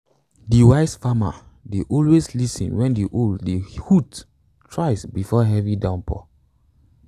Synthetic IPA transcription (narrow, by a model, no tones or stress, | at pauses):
diwaɪsfama̰ | deʔɔlweslisɔ̃nwɛ̃ndiʔoldehut | tɹaɪsbifɔɦɛvidãʊ̃npʰɔ̰